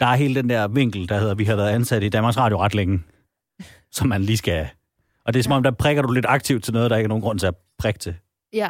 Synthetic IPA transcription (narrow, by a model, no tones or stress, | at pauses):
d̥ɑ̈æɐɦe̝ːləd̥end̥æɐ̰ʋe̝ŋ̰ɡ̥l̩d̥ɑhe̝ð̰ˠɐʋiɦɑ̈ʋæɐðˠænsæɾ̥əid̥ænmɑ̈ɡsʁɑ̈ːdjoʁɑ̈d̥leŋə | sɒ̽mːænliːsɡ̥æ | ʔɒ̽d̥e̝sɒ̽mɒ̽md̥ɑpʰʁɛɡ̥ɐɾ̥ule̝d̥ɑ̈ɡ̥̚t͡sʰiʊd̥̚t͡sʰe̝lnɔðˠd̥ɑ̈eɡ̥əɐno̝ːnɡʁɔ̽n̰t͡sʰe̝ɐ | pʰʁɛɡ̥̚t͡sʰe̝